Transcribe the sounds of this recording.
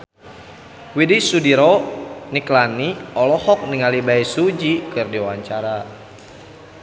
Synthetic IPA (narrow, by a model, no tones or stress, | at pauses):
widisudiɾɔniklaniɔlɔhɔk̚niŋalibaisud͡ʒikɨrdiwaɲt͡ʃaɾa